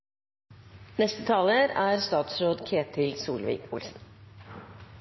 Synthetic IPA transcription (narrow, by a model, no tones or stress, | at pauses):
nɛst̪ət̪ʰɑːləɾæːɾst̪ɑːt̪sɾoːd̪kʰeːt̪ʰɪlsuːlʋḭːkʊ̰lsn̩